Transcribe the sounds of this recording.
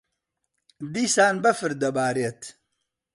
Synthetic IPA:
d̪isaːnbɐfɨɾd̪ɐbaːɾet̪ʰ

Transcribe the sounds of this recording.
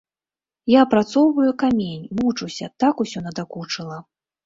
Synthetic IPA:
japɾat̪sɔwvɐjukamʲenʲmut͡ʂuwsʲɐt̪akusʲɔnɐd̪akut͡ʂɐlˠɐ

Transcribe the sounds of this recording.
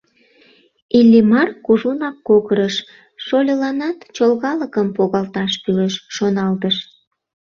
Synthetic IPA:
ilʲːimɑrkuʒunɑkːoɣəɾəʃ | ʃolʲəlɑnɑt̪t͡ɕolɣɑləkəmpoɣɑlt̪ɑʃkyleʃːonɑlt̪əʃ

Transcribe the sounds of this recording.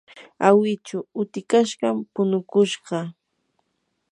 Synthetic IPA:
awɪt͡ʃʊʊt̪ɪkaʃɢɑmpʊnʊkʊʃɢɑ

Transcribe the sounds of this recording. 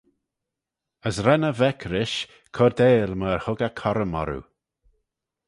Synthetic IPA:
əsɾɛnəvɛkʰɾɪʃ | kʰɔɾd̪eːlməɾhʊɡakʰɔɾəmɔ̰ɾṵ

